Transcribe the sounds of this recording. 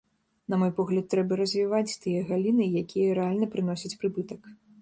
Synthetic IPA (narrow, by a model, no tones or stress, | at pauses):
nɐmɔjpɔɣlʲɐt̪ːɾɛbɐɾɐzʲvʲivat͡sʲt̪ɨjɐɣalʲinɨjakʲʰijɐɾɛalʲnɐpɾɨn̪ɔsʲɐt͡sʲpɾɨbɨt̪ɐk